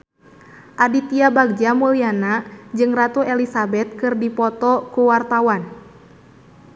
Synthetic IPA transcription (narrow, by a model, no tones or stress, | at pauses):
ʔadit̪iabaɡ̚d͡ʒamulianad͡ʒɨŋrat̪uɛlisabɛt̪̚kɨrdipɔt̪ɔkuwart̪awan